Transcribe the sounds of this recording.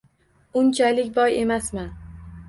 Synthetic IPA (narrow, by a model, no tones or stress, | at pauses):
ʊnt͡ʃʰalɪkʲbɒje̞masma